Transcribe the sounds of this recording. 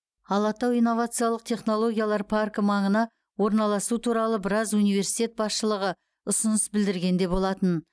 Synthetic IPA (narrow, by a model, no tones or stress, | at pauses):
ɑlˠɑt̪ɑwijnːo̞vat̪sɨjalˠəq̚t̪ʰe̞χno̞lˠo̞ɡʲijalˠɑɾpʰarkmɑɴənɑ | wo̞ɾnɑlˠɑsut̪ʰuɾɑlˠəbɪɾɑzunijve̞ɾsi̥jt̪ʲe̞t̪̚bɑsʃəlˠəʁə | ʊsʊnəsbɪld̪ɪɾɡʲe̞nd̪e̞bo̞lˠɑt̪ən